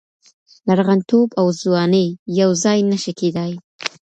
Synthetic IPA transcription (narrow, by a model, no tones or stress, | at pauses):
laɾɣant̪obawzwɑnəjjawzɑjnəʃəked̪ɑj